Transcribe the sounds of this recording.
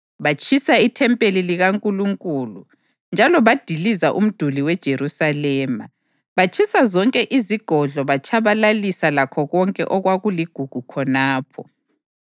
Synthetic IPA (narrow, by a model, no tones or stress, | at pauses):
βat͡ʃʰʼisaitʰɛmpʼeliliɣaŋkʼuluŋkʼuːlṵ | nd͡ʒʱalɔβad̥ʱilizaʔum̩d̥ʱuliwɛd̥ʒ̥ʱeɾusalɛːma̰ | βat͡ʃʰʼisazɔŋkʼɛʔiziɡ̥ʱɔɮɔβat͡ʃʰʼaβalalisalakʰɔɣɔŋkʼɛ̰ʔɔɣwaɣuliɡ̥ʱuɡ̥ʱukʰɔnaːpʰɔ